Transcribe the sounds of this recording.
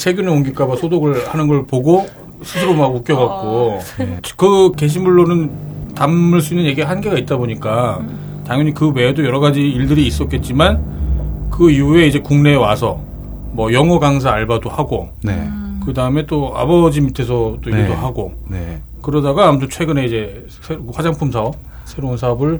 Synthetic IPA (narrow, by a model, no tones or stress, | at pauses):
sʰe̞ɡjuneoŋɡik͈abasʰodoɡɯɭhanɯnɡʌɭpoɡo | sʰɯsʰɯɾomaɡuk͈jʌɡak̚k͈o | kɯke̞ɕ̬ʰimmuɭːonɯntamːɯɭs͈uinːɯnje̞ɡiehanɡe̞ɡait̚t͈aboɲik͈a | taŋjʌɲikɯwe̞dojʌɾʌɡad͡ʑiiɭdɯɾiːs͈ʌt̚k͈e̞t̚t͡ɕ͈iman | kɯiue̞id͡ʑe̞kuŋne̞wasʰʌ | mʌjʌŋʌɡaŋs̬ʰaːɭbadohaɡo | nḛkɯdaɯme̞t͈oa̰bʌd͡ʑimitʰe̞s̬ʰʌt͈oiɡdoɦaɡone | kɯɾʌdaɡaːmutʰot͡ɕʰwe̞ɡɯne̞id͡ʑe̞ | sʰehwad͡ʑaŋpʰumsʰaʌp̚ | sʰe̞ɾounsʰaʌbɯɭ